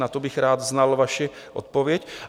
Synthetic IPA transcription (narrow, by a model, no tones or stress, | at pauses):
nat̪obɪxɾaːd̪znalvaʃɪ | ʔo̰t̪̚povjɛc